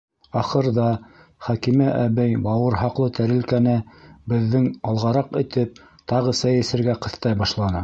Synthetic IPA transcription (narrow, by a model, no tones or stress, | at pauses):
ɑχɤ̆ɾðɑ | χækimɘʔæβæjbɑwɤ̆ɾɦɑqlˠɤt̪ʰæɾɘ̆lkænɘbɘ̆ðːɘŋɑlˠʁɑɾɑqɘ̆t̪ɘp̚ | t̪ɑʁɤsæjɘ̆sɘ̆ɾɡæqɤ̆θt̪ɑjbɑʃlˠɑnɤ